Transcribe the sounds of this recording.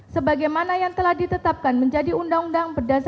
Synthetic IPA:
səbaɡajmanajaŋt̪əlahdit̪ət̪ap̚kanməɲd͡ʒadiundaŋundaŋbərdas

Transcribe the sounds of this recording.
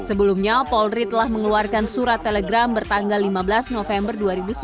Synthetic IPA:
səbəlumɲapɔlrit̪əlahməŋəluarkansuɾat̪ːelɛɡɾambərt̪aŋɡalːimabəlasnofɛmbərduaɾibus

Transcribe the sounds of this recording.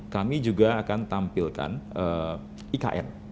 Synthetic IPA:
kamid͡ʒuɡaːkant̪ampilka̰nʔə | ʔika̰ʔɛ̰n

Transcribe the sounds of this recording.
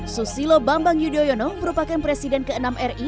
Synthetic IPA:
susilobambaŋjudiojɔnɔməɾupakanpɾesidɛnkəənamɛri

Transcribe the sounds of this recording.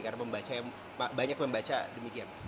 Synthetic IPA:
karnapəmbat͡ʃajaŋ | abaɲak̚pəmbat͡ʃadəmikian

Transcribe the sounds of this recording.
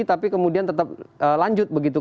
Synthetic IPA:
t̪apikəmudiant̪ət̪ap̚əlaɲd͡ʒʊt̪̚bəɡit̪u

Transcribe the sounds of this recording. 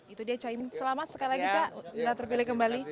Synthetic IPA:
it̪udiat͡ʃaimsəlamat̪̚səkalilaɡit͡ʃaʔsəəlaht̪ərpilɪhkəmbali

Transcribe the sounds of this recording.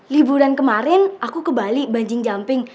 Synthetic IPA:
libuɾankəmaɾɪnʔakukəbalibaɲd͡ʒɪŋd͡ʒampɪŋ

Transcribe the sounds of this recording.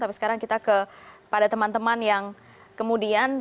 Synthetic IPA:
t̪apisə̥kaɾaŋkit̪akəpadat̪əmant̪əmanjaŋ | kəmudian

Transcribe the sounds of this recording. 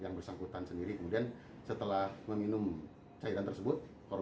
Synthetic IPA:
jaŋbərsaŋkut̪ansəndiɾikəmudian | sət̪əlahməminʊm | t͡ʃaiɾant̪ərsəbʊt̪̚ | koɾ

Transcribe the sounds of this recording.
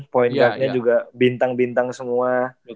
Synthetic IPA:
poinkat̪̚ɲad͡ʒuɡabint̪aŋbint̪aŋsəmua

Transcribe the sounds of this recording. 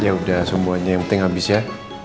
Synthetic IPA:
jaudahsəmuaɲajaŋpənɪŋɦabɪsja

